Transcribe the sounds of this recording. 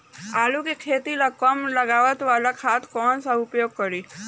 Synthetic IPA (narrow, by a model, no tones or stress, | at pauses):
alukekʰet̪ilakəmləɡaʋət̪ʋalakʰat̪ʰkɔːnsaʊpjoːɡ̚kəɾi